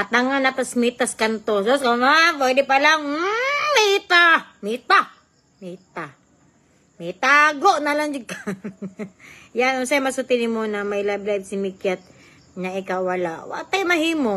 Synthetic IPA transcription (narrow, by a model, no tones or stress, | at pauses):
ɐt̪aŋanɐt̪ɐsmit̪askɐnt̪ososkɐmap̬wɛːd̪ɛpɐlaŋ̩mit̪amit̪a | mit̪a | mit̪aɡoʔnɐlaŋd͡ʒɪka | jansajmɐsʊt̪ɪnɪmonɐmɐjlajblajbsɪmikjat̪̚ | nɐʔɪkawɐla̰ʔwa̰ʔt̪ajmɐɦiːmo